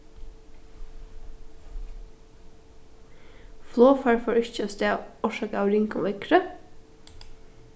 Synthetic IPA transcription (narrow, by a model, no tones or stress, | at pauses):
floːfɑːɹfoːɹʏçəost̪eːɔʃɑːkəɑːʋɾɪŋko̰ːʋɛkɾə